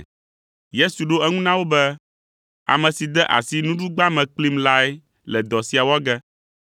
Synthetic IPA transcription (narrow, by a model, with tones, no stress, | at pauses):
je˦su˨ɖo˦ɛ˦ŋũ˦nã˦wo˦bɛ˦ | a̰˨mɛ̃˨si˨d̪ɛ˦ʔa̰˨si˦nũ˦ɖu˦ɡ͡ba˦mɛ̃˨k͡pli˦mla˦ɛ˦ | lɛ˨d̪ɔ˨si˨a˨wɔ˦ɡɛ˦